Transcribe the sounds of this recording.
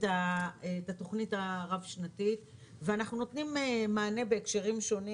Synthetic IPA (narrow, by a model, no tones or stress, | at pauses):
tatato̞χnitaʁavʃnatit | veanaχnuno̞tnimemaːne̞be̞ːkʃeʁimʃo̞ni